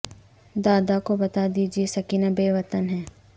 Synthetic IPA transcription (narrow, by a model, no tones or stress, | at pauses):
d̪aːd̪akobɐt̪ad̪iːd͡ʒiesɐkiːnabeːʋɐt̪ənɦɛː